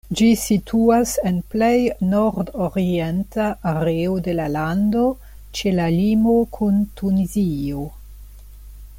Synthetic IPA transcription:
d͡ʒisitʰuase̞nple̞jnoɾdoɾie̞ntaʔːɾeode̞lalando̞ | t͡ʃe̞lalimo̞kʰuntunizio̞

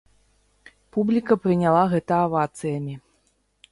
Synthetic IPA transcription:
publʲikɐpɾɨnʲalˠaɣɛt̪ɐːvat̪sɨjɐmʲi

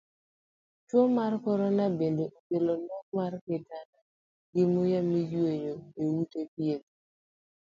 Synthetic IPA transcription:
t͡ʃwomarkɔɾɔnabendeʔokelonɔk̚marketana | ɡɪmʊjamijweɲoewutepjet

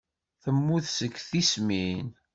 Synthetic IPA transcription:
θəmːuθsəɡːθismin

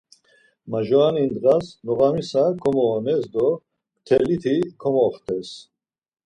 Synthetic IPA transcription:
maʒɔanind̪ʁasnɔʁamisakʰɔmɔːnɛsd̪ɔ | t̪ʰɛlit̪ʰikʰɔmɔχt̪ʰɛs

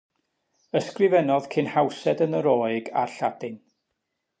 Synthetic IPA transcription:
əskrɪvɛnɔð̥kʰɪnhawsɛdənəɾɔːɨɡa̰rɬad̥ɨn

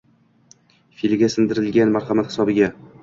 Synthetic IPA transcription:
filɪɡʲasɪnd̪ɪɾɪlɡʲanmaɾhamat̪hɪ̥sɒbɪɡʲa

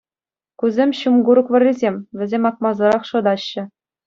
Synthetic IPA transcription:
kʲuzʲemʲɕumɡuɾɤ̆kʋɤ̆rʲːizʲemʲʋʲɘ̆zʲemʲɑk̚mɑzɤ̆ɾɑχʂɤ̆d̪ɑɕːɘ̆

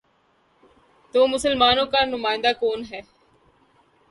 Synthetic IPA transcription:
t̪uːmʊsəlmaːnõːkaːnʊmaːɪ̃nd̪aːkoːnɦɛː

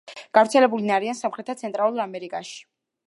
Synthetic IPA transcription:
ɡ̥avɾt̪sʰɛlɛbulinaɾiansamχɾɛt̪ʰat̪sʰɛnt̪ʼɾalˠuɾamɛɾikʼaʃi̥

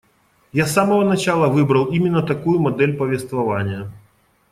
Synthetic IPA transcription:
jasamɐvɐnat͡ʃalˠɐvɨbɾɐlˠimʲɪnːɐt̪akujumad̪ɛlʲpɐvʲɛst̪vɐvanʲjɐ

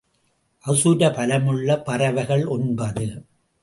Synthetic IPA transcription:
ʔɐsuːɾɐpɐlɐmɯɭːɐpɐrɐʋɐɪɣɐɭɔnbɐðɯ

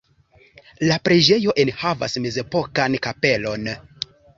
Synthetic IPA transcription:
lapɾed͡ʒe̞jo̞ʔe̞nhava̰sme̞ze̞po̞kankape̞lo̞n

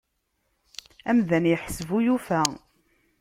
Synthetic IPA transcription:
æmðænjəħsəvujufæ

